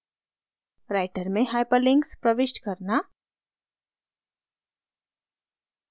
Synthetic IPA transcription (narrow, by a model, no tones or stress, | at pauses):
ɾaːɪʈəɾmẽɦajpəlɪ̃ŋkspɾəʋɪʃʈkɐɾna